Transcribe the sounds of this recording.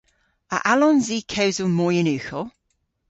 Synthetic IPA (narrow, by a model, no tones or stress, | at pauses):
ə̰ʔalɔnziːkʰewzəlˠmɔjənʉːˑxɔ